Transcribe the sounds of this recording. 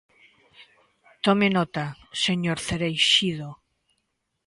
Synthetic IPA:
t̪omenot̪aseɲoɾθeɾejʃiðo

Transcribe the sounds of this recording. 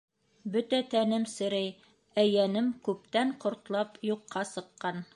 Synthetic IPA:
bɵt̪æt̪ænɘmsɘ̆ɾæj | æjænɘmkʉp̚t̪æɴqŏɾt̪lˠɑpjuqːɑsɤ̆qːɑn

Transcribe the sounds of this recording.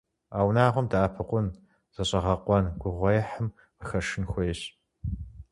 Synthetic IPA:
aːwnaːʁʷɔmdaːpʰɨqʷʊn | z̥ɐɕʼɐʁɐqʷɔnɡʷʊʁʷɔjɛħəm | əxɐʃɪnxʷɔjɕ

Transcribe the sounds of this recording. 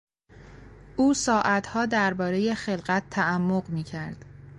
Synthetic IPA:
ʔuːsɒːʔæt̪ʰhɒːd̪æɾbɒːɾe̞je̞xe̞lɢæt̪ʰːæʔæmːoɢmiːcʰæɾd̪̥

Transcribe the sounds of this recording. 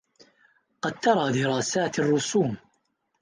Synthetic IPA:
qɑd̪̚t̪ɑɾˤɑːd̪ɪɾˤɑːsaːt̪ɑrˤːʊsuːm

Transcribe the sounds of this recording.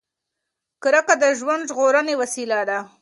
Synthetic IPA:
kɾəkad̪əʒwand̪ʒɣoɾənewasilad̪a

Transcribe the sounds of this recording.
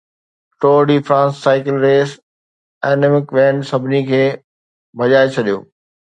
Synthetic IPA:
ʈoːɖiːfɾãːnsːaːɪkɪlɾeːs | ɛːnɪmɪkʋɛ̃ːɳɖsɐbʱɪnikʰeː | bʱɐʄaːet͡ɕʰɐɗijo̰ː

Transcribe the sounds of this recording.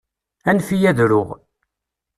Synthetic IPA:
ænfijæðɾʊʁ

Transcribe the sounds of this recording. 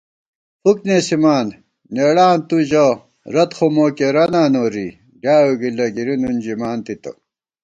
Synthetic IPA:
huknesimaːn | neːɽaːnt̪uʑɐ | ɾɐt̪xomoːkeɾɐnaːnoːɾḭ | ɡaːjoɡilɐɡiɾinund͡ʑimaːnt̪it̪ɐ̰

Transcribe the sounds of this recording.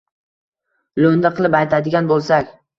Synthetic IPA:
lond̪aqʰɨlˠɪpajt̪ʰad̪ɪɡʲanbolˠsakʲ

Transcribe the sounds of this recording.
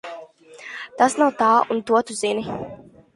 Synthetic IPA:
t̪asnawt̪aːunt̪uɔt̪uzini

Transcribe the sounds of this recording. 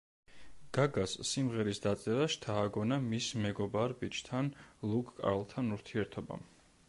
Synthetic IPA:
ɡ̥aɡasːimʁɛɾisd̪at̪sʼɛɾaʃt̪ʰaːɡɔnamismɛɡɔbaɾbit͡ʃʰt̪ʰanlˠukʼkʼa̰ɾlˠt̪ʰanuɾt̪ʰiɛɾt̪ʰɔba̰m

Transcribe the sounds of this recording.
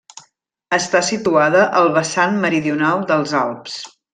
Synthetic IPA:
əst̪asit̪uaðəʔəlˠβəsanməɾiðiunalˠd̪əlˠzalˠps

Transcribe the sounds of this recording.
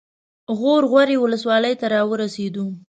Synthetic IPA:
ɣoɾɣwaɾewʊləswɑləjt̪aɾɑwəɾased̪u

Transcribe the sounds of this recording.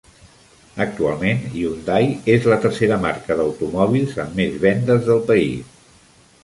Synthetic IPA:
ək̚t̪ualˠmeniund̪ajezlət̪ərseɾəmarkəðəwt̪umɔβ̞ilˠzəmːezβɛnd̪əzðəlˠpəḭs

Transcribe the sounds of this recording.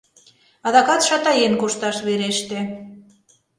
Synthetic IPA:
ɑðɑkɑt̪ʃɑt̪ɑjenkoʃt̪ɑʃβeɾeʃt̪ĕ

